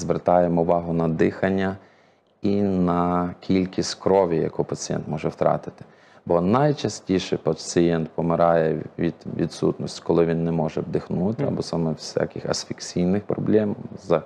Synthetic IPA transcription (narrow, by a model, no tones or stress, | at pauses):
zʋert̪ɑjemɔʊʋɑɦʊnɐd̪ɪxɐnʲːɐ | inɐkʲʰilʲkʲisʲtkɾɔʋʲijɐ̰kɔpɐt͡sʲijɛ̰nt̪mɔʒɛwt̪ɾɑ̰t̪ɪ̥t̪ɪ̥ | bɔnɐjt͡ʃɐsʲtʲiʃɛpɐt͡sʲijɛnt̪pɔmɪɾʔɑjɛʋʲḭd̪̥ʋʲḭd̪sṵt̪nɔsʲtʲkɔlˠɪʋʲinːɛmɔʒɛbd̪ɪxnut̪ɪɐ̰bɔsɑmɛwsʲa̰kʲɪxɐ̰sfʲiksʲijnɪxpɾɔ̰blʲɛmzɐ